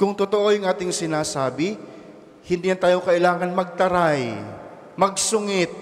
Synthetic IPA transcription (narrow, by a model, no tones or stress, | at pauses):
kʊŋt̪ʊt̪oʔo̞jʊŋʔaːt̪ɪŋsɪnaːsaːbɪ | hɪnd̪iːjɐnt̪aːjokɐʔɪlaːŋɐnmɐɡ̚t̪ɐɾaj | mɐɡ̚sʊŋɪt̪̚